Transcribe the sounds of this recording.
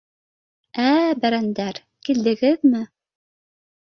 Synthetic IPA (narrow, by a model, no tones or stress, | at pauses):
æbæɾænd̪æɾ | kild̪ɘ̆ɡɘðmɘ